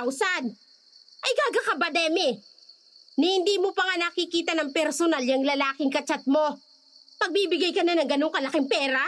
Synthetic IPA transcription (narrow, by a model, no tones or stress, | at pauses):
wsan | ʔɐjkaːɡakɐbɐd̪ɛːmɪ | nhɪnd̪iːmopɐŋanɐkɪkiːt̪ɐnɐŋpɛɾsonaljɐŋlɐlaːkɪŋkɐt͡ʃɐt̪̚mo̞ | pɐɡ̚biːbɪɡajkɐnanɐŋɡɐnoŋkɐlɐkɪŋpɛːɾa